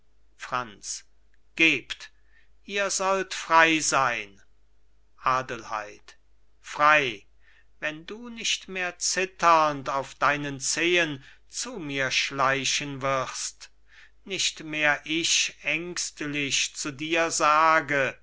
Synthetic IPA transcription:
fʁ̥ant͡s | ɡ̥eːpt | ʔiːɐzɔltfʁ̥aɪzaɪn | ʔaːdəlha̰ɪt | fʁ̥aɪ | vɛnduːnɪʃtmeːɐt͡sɪtʰɐntaʊfd̥aɪnənt͡seːən | t͡suːmiːɐʃlaɪɕənvɪʁst | nɪʃtmeːɐʔɪʃʔɛŋkstlɪʃt͡sudiːɐzaːɡə

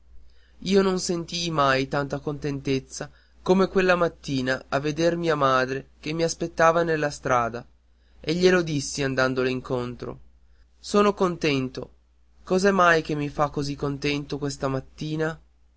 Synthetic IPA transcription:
iːononsent̪imajt̪ant̪akont̪ent̪et̪sːa | komekwelːamat̪ːiːnaavːed̪ermiːamaːd̪ɾek̟emːiaspet̪ːaːvanelːast̪ɾaːd̪a | eʎːelod̪isːiand̪and̪oliŋkont̪ɾo̰ | soːnokont̪ɛnt̪o | kɔzɛmːajk̟emːifakːozikːont̪ɛnt̪okwes̬t̪amat̪ːiːna

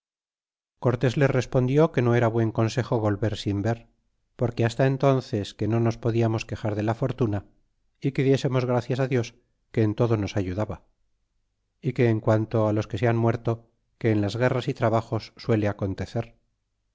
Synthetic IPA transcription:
ko̞ɾt̪e̞zle̞re̞spo̞nd̪jo̞ke̞no̞e̞ɾaβwe̞ŋko̞nse̞xo̞βo̞lβe̞ɾsimbe̞ɾ | po̞ɾke̞ast̪ae̞nt̪o̞nθe̞ske̞no̞no̞spo̞ðiamo̞ske̞xaɾðe̞lafo̞ɾt̪una | ike̞ðje̞se̞mo̞zɣ̞ɾaθjasaðjo̞s | ke̞ːnt̪o̞ðo̞no̞saʝuðaβa | ike̞ːŋkwant̪o̞alo̞ske̞seanmwe̞ɾt̪o̞ | ke̞ːnlazɣe̞rasit̪ɾaβ̞axo̞sːwe̞leako̞nt̪e̞θe̞ɾ

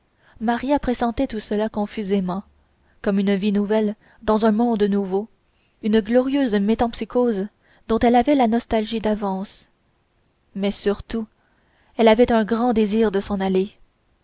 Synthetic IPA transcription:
maʁjapχesɑ̃t̪ɛt̪usəlakɔ̃fyzemɑ̃ | kɔmynvinuvɛl | d̪ɑ̃zɛ̃mɔ̃d̪nuvo | ynəɡlɔʁijøːzmet̪ɑ̃psikʰoz | d̪ɔ̃t̪ɛlavɛlanɔst̪alʒid̪avɑ̃s | mɛsyʁt̪u | ɛlavɛt̪œ̃ɡʁɑ̃d̪eziːʁd̪əsɑ̃nale

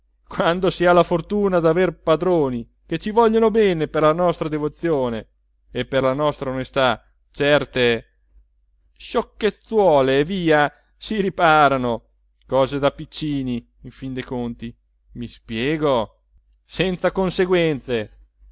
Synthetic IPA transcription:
kwand̪osialafort̪uːnad̪averpad̪ɾoːni | ket͡ʃivɔʎːonobɛːneperlanɔst̪ɾad̪evot̪sːjoːneː | pːerlanɔst̪ɾaonest̪a | t͡ʃɛrt̪e | ʃokːet̪sːwɔːleːviːa | siɾipaːɾano | kɔːzed̪apit͡ʃːiːniː | ɱfind̪ekont̪i | mispjɛːɡo | sɛnt̪sakonseɡwɛnt̪se

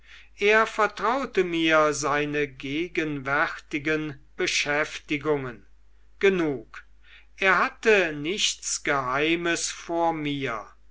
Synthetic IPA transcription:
ʔeːɐfɛɐtʁ̥aʊtəmiːɐzaɪnəɡeːɡənvɛʁtɪɡənb̥əʃɛftɪɡʊŋən | ɡ̥ənuːk | ʔeːɐɦatənɪʃt̪sɡ̥əɦaɪməsfoːɐmiːɐ

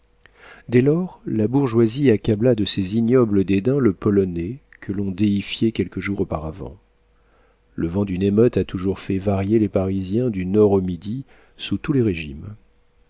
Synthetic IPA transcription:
d̪ɛlɔʁlabuʁʒwaziakʲablad̪əseziɲɔbləd̪ed̪ɛ̃ləpɔlɔnɛ | kʰəlɔ̃d̪eifjekʲɛlkəʒuʁopaʁavɑ̰̃ | ləvɑ̃d̪ynemœt̪at̪uʒuʁfɛvaʁjelepaʁizjɛ̃d̪ynɔʁomid̪i | sut̪uleʁeʒim

